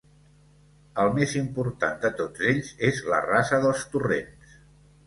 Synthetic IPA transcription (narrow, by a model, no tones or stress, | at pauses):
əlˠmezimpuɾt̪a̰nd̪ət̪od͡zeʎzezlə̰rasəðəlˠst̪urḛns